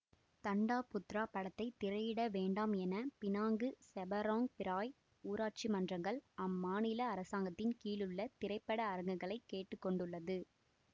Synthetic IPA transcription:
t̪ɐɳɖaːpʊt̪ɾaːpːɐɽɐt̪ːɐɪt̪ːɪɾɐjɪɽɐʋeːɳɖaːmɛnɐpɪnaːŋɡɯsɛbɐɾaːŋpɪɾaːj | uːɾaːʈ̚t͡ʃimɐndrɐŋɡɐɭɐmːaːnɪlɐːɾɐsaːŋɡɐt̪ːɪnkiːlɯɭːɐt̪ɪɾɐɪpːɐɽɐːɾɐŋɡɐɣɐɭɐɪkːeːʈːɯkːɔɳɖɯɭːɐðɯ

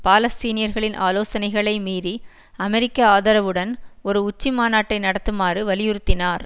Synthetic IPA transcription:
paːlɐst̪iːnɪjɐɾɣɐɭɪnʔa̰ːloːsɐnɐɪɣɐɭɐɪmiːɾi | ɐmɛɾɪkːɐaːðɐɾɐʋɯɽɐnɔɾɯʊt͡ʃːimaːnaːʈːɐɪnɐɽɐt̪ːɯmaːrɯʋɐlɪjʊɾɯt̪ːɪnaːɾ

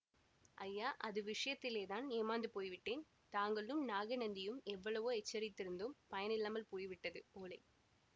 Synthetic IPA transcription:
ʔɐjːaːʔɐðɯʋɪʂɐjɐt̪ːɪleːðaːneːmaːnd̪ɯpoːjʋɪʈːeːn | t̪aːŋɡɐɭɯmnaːɣɐnɐnd̪ɪjɯmɛʋːɐɭɐʋoːɛt͡ʃːɐɾɪt̪ːɪɾɯnd̪ɯmpɐjɐnɪlːaːmɐlpoːjʋɪʈːɐðɯpoːlɐɪ

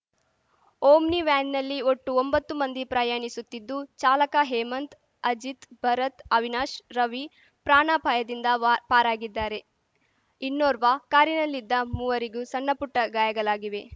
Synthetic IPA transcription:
oːmniʋaːnnɐlːioʈːuombɐt̪ːumɐnd̪ipɾaːjaːɳisut̪ːid̪ːut͡ʃaːlɐkaɦeːmɐnt̪ | ɐd͡ʒit̪bʱɐɾɐt̪ɐʋinaːʃɾɐʋi | pɾaːɳapʰɐjɐd̪ind̪ɐpaːɾaːɡid̪ːaːɾe̞ | inːoːɾʋaːkaːɾinɐlːid̪ːɐmuːʋɐɾiɡusɐnːɐpuʈːɐɡaːjɐɡɐlaːɡiʋe̞

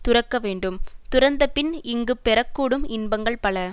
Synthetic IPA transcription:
t̪ʊɾɐkːɐʋeːɳɖɯmt̪ʊɾɐnd̪ɐpːɪnɪŋɡɯpːɛɾɐkːuːɽɯmɪnbɐŋɡɐɭpɐɭɐ

